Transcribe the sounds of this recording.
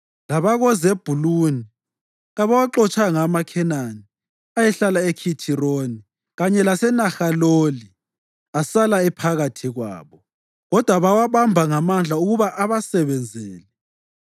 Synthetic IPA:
laβaɣɔzeb̥ʱuluni | ɣaβawaǃɔt͡ʃʰʼaŋamakʰɛnani | ajɛɬalaekʰitʰironi | ɣaɲɛlasɛnaxaloli | asalaɛpʰaɣatʰiɣwa̰ːβɔ | ɣɔd̥ʱwaβawaβambʱaŋamand͡ɮʱauɣuβaʔaβasɛβɛnd͡zʱeːlɛ

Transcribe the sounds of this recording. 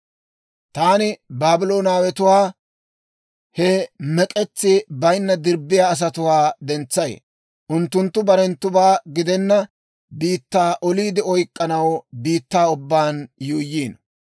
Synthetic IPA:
t̪aːnɪbaːbɪloːnaːwɛt̪ʊwaː | hɛmɛkʼɛt͡sːɪbɐjnːɐd̪ɪɾbɪjaːs̬ɐt̪ʊwaːd̪ɛnt͡sːɐj̰ | ʔʊnt̪ːʊnt̪ːʊbɐɾɛnt̪ːʊbaːɡɪd̪ɛnːɐ | biːt̪ːaːʔɔliːd̪ɪɔjkʼːɐnɐwbiːt̪ːaːʊbːaːnjuːjːiːn

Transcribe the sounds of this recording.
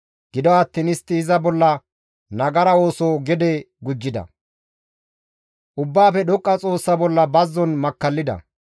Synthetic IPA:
ɡ̥ɪd̪ɔɐt̪ːinɪst̪ːɪːzɐbɔlːɐ | nɐɡɐɾɐo̞ːsoːɡɛd̪ɛ | ɡʊd͡ʒːɪd̪ɐ̰ | ʔʊbːaːfɛɗɔkʼːɐt͡sʼo̞ːsːɐbɔlːɐbɐzːɔnmɐkːɐlːɪd̪ɐ̰

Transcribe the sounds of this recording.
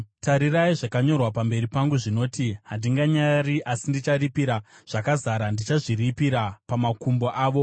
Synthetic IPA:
taɾiraiʐakaɲo̞rwapambe̞ɾipaŋɡuʐino̞ːtiɦandiŋɡaɲariʔasindit͡ʃaripiɾaʐ̥akazaɾandit͡ʃaʐiripiɾapamakumboʔaːʋo̞

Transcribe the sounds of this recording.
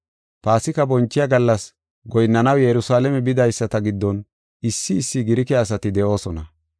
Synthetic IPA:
paːsɪkɐbɔnt͡ʃːɪjɐɡɐlːɐs | ɡɔjnːɐnɐwjɛɾʊsaːlɛmɛbɪd̪ɐjsːɐt̪ɐɡɪd̪ːɔn | ɪsːɪːsːɪɡɪɾɪkɪaːs̬ɐt̪ɪd̪ɛʔo̞ːsɔnɐ

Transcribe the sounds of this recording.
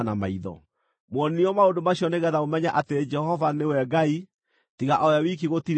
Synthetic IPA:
nama̰iðɔ̰ | mwɔniɔmaondomaɕjɔneɣɛðaomɛɲaʔated͡ʒɛhɔvanewɛɡai | tiɣaʔɔjawikiɣotiɾ

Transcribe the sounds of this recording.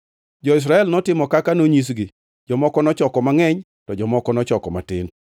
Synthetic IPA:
d͡ʒɔɪs̬ɾaɛlnɔtɪmɔkakanoɲis̬ɡi | d͡ʒɔmɔkɔnɔt͡ʃɔkɔmaŋɛɲ | tɔd͡ʒɔmɔkɔnɔt͡ʃɔkɔmatɪ̰n

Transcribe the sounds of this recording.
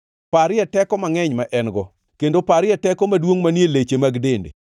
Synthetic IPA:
paɾɪɛtɛkɔmaŋɛɲmaʔɛnɡɔ | kendopaɾɪɛtɛkɔmadwoŋmanjelet͡ʃemaɡdendḛ

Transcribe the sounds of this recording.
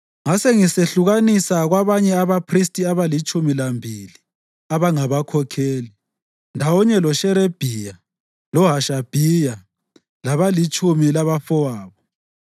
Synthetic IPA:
ŋaseŋiseɬuɣanisaɣwaβaɲɛaβapʰris̬tʼiaβalit͡ʃʼumilambʱili | aβaŋaβakʰɔkʰeːli | ndʱawɔɲɛlɔʃɛɾeb̥ʱija | lɔɦaʃab̥ʱija | laβalit͡ʃʼumilaβafɔwaːβɔ

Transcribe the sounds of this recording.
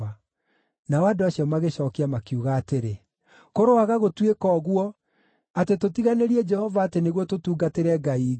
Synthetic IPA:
a | nawadoaɕijɔmaɣeɕɔːkiamakiuɣaːteɾe | koɾoaɣaɣotwekɔɣwɔ | atetotiɣaneɾiɛd͡ʒɛhɔvaːteneɣwɔtotuːɡateɾɛɡai

